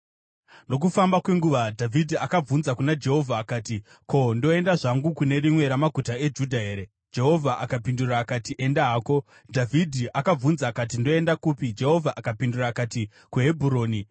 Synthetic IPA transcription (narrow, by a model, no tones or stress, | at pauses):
no̞k̬ufambakwe̞ŋɡuʋadʱavʱidʱiakab͡vunzakunad͡ʒe̞ɦo̞vʱaːkaːti | kʰo̞ndo̞e̞ndaʐaŋɡukune̞ɾimwe̞ɾamaɡʱutae̞d͡ʒudʱaɦe̞ːɾe̞ | d͡ʒe̞ɦo̞vʱaʔakapinduraːkatiʔe̞ndaɦaːko̞ | dʱavʱidʱiʔakab͡vunzaːkat̬indo̞e̞ndakupid͡ʒe̞ɦo̞vʱaʔakapinduraːkati | kuɦe̞bʱuɾo̞ːni